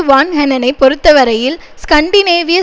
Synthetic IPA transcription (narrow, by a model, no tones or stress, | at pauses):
ɯʋaːnɦɛnɐnɐɪpɔɾɯt̪ːɐʋɐɾɐjɪlskɐɳɖineːʋɪjɐ